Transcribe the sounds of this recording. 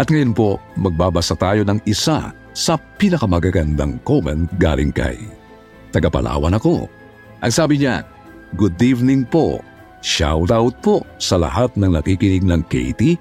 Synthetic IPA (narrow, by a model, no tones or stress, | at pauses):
ʔɐt̪ŋɐjonpo̞mɐɡ̚baːbɐsat̪aːjo̞nɐŋɪsa̰ | sɐpinɐkɐmɐɡaɡɐnd̪a̰ŋkomɛ̰nt̪̚ɡa̰ːlʔɪ̰ŋkɐ̰j | t̪ɐɡɐpɐ̰lʔa̰ːwɐnɐko̞ | ʔɐŋsaːbɪɲa̰ | ɡʊd̪ivnɪŋpo̞̰ | ʃa̰wt̪awt̪̚po̞sɐlɐ̰hat̪̚nɐŋnɐkikɪnɪɡ̚nɐŋkɛ̰jt̪i